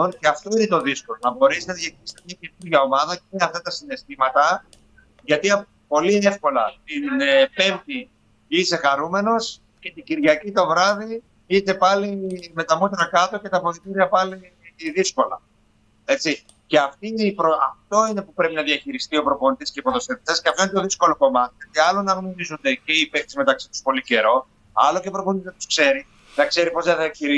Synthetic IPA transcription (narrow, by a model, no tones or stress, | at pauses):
onceɐft̪o̞ine̞t̪o̞ðisko̞lonɐbo̞ɾesinɐðjɐçiɾisi̥t̪emɲɐce̞nuɾʝɐo̞mɐðɐceɐft̪ɐt̪ɐsine̞st̪imɐt̪ɐ | ʝɐt̪iɐp | po̞lie̞fko̞lɐt̪inpe̞mt̪i | ise̞xɐɾume̞no̞s | ce̞t̪iɟiɾʝɐcit̪o̞vɾɐði | it̪e̞pɐlime̞t̪ɐmot̪ɾɐkɐt̪o̞ce̞t̪ɐpo̞ðit̪iɾiɐpɐli | ðisko̞lɐ̰ | e̞t͡si | ce̞ɐft̪iipɾoɐft̪o̞ine̞pupɾe̞pinɐðiɐçiɾist̪io̞pɾo̞po̞nit̪isceipo̞ðo̞st̪evi̥t̪esceɐft̪oinet̪oðisko̞lo̞ko̞mɐt̪iʝot̪iɐlonɐɣno̞ɾizond̪e̞ce̞ipekt̪izme̞t̪ɐksi̥t̪u̥spo̞lice̞ɾo̞ | ɐ̰locepɾo̞poninɐt̪u̥skse̞ɾi | nɐkse̞ɾipo̞zðeðiɐçiɾi